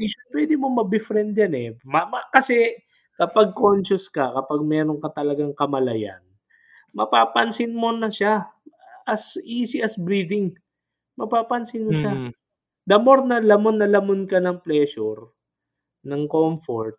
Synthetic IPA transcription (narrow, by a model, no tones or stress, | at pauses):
iʃʊpwɛd̪ɪmomɐbɪfɾɛnd̪janɛmɐmɐkɐsɛ | kɐpaɡ̚konʃʊskɐkɐpaɡ̚mɛːɾoŋkɐt̪ɐlɐɡaŋkɐmɐlɐja̰n | mɐpaːpɐnsɪnmo̞nɐʃa | ʔɐsʔiːsɪʔɐsbɾiːd̪ɪŋ | mɐpaːpɐnsɪnmoʃa | d̪ɐmoɾnɐlɐmonːɐlɐmonkɐnɐŋplɛːʃʊɾ | nɐŋkomfoɹt̪̚